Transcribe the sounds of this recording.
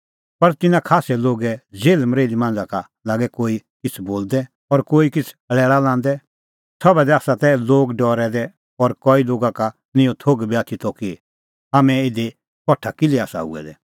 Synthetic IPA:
pɐɾt̪ɪnãkʰaːsɛloːɡɛd͡zeːlməɾeːlimãːn̆d͡zaka | laːɡɛkoːikɪt͡sʰboːld̪ɛ | ɔɾkoːikɪt͡sʰ | əɭɛːɭalãːn̆d̪ɛ | sʰɔbɛd̪ɛaːsat̪ɛloːɡɖɔːɾɛd̪ɛ | ɔːɾkɔiloːɡaka | nɪ̃jõt̪ʰoːɡbiaːt̪ʰit̪ɔki | aːmɛ̃ɪd̪e | kɔʈʰːakɪliaːsa̰ṵɛ̰d̪ɛ̰

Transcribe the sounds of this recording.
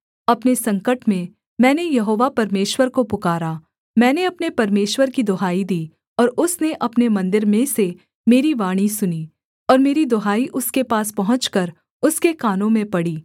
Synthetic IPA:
ɐpnesɐ̃ŋkəʈmẽ | mɛ̃ːnejɐɦoːʋapɐɾmeːʃwəɾkopʊkaːɾa | mɛ̃ːneɐpnepɐɾmeːʃwəɾkid̪ɔɦaːid̪iː | ɔːɾʊsneʔɐpnemɐ̃nd̪ɪɾmẽse | meːɾiʋaːɽ̃isʊniː | ɔːɾmeːɾid̪ɔɦaːiʔʊskepaːspɐɦʊ̃t͡ʃkɐɾ | ʊskekaːnõmẽpɐɽiː

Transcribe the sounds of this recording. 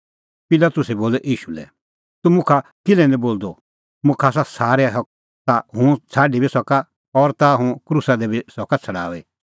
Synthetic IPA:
pɪlat̪ʊsɛboːlɛʔiːʃulɛ̰ | t̪umʊ̃kʰakɪlɛ̃nɛ̃boːld̪o | mʊ̃kʰasasaːɾɛɦɔk̚ | t̪aɦʊ̃t͡sʰaːɖibʱisɔka | ɔɾt̪aɦũkɾusad̪ɛbʱisɔkat͡sʰɐɽa̰ːʋe

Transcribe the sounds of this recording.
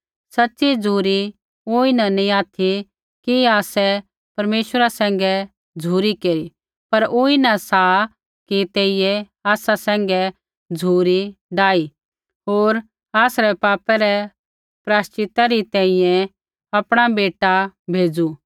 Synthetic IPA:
sɐtːʃid͡zʱuːɾi | oːinanĩaːt̪ʰi | kiaːsɛ | pɐɾmeːʃəɾasɛ̃ːŋɡɛ | d͡zʱuːɾikeːɾi | pɐɾoːinɐsaː | kit̪eːijɛ | aːsasɛ̃ːŋɡɛ | d͡zʱuːɾiɖaːi | ɦoːɾ | aːsɾɛpaːpɛɾɛ | pɾaːstɪt̪aɾit̪ɛ̃ɪ̃jɛ̃ | ɐpɽ̃abeːʈabʱeːd͡zu

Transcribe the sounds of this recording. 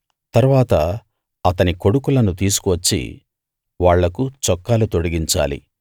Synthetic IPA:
t̪ɐɾʋaːt̪ɐ | ɐt̪ɐniko̞ɽukulɐnut̪iːsu̥kuʋɐt͡ʃːḭ | ʋaːɭːɐkut͡ʃɔkːaːlut̪oɽiɡiɲt͡ʃa̰ːlḭ

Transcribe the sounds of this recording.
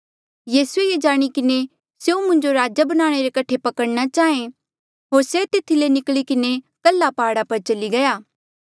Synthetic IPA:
jiːsueed͡ʒaːɽ̃ikɪne | seũmʊ̃ɲd͡ʒoɾaːd͡ʒabɐnaːɽ̃eɾekɐʈʰepɐkəɽnat͡ʃaːẽ | ɦoːɾset̪ɪt̪ʰilenɪkɭikɪnekɐlːapaːɽapɐɾt͡ʃɐliɡɐjaː

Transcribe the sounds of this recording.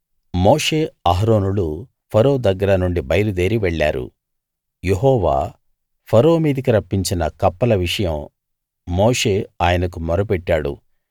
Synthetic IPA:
moːʂe̞ːaɦɾoːnulu | pʰɐɾoːd̪ɐɡːɐɾɐnuɳɖibɐjɐɾud̪e̞ːɾiʋeɭːa̰ːɾṵ | jeɦɔːʋa̰ː | pʰɐɾoːmiːd̪ikiɾɐpːiɲt͡ʃinɐkɐpːɐlɐʋiʂɐjɐmː | oːʂe̞ːaːjɐnɐkumɐɾɐpɛʈːaːɽṵ

